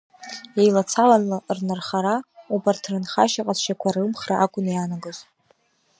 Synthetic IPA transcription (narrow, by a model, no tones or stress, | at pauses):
ejlat͡sʰalanlarnarχaɾaubartʰranχa̰ʃaqʼat͡sʃakʷʰarɨmχraʔakʷʼʊnjanaɡɨz